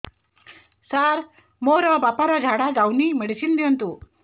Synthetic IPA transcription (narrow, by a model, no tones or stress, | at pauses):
saɾ | moɾɔbapaɾɔd͡ʒʱaɽaɡawniməɽisind̪iɔnt̪u